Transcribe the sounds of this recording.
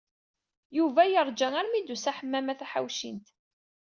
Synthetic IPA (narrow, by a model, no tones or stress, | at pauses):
juvæjəɾˤd͡ʒæŋæɾmid̪usæħəmːæmæθæħa̰wʃḭnt̪